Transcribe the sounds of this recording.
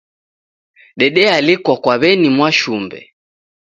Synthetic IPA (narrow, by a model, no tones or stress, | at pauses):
ɗɛɗɛalikwakwaβɛnimwaʃumbɛ̰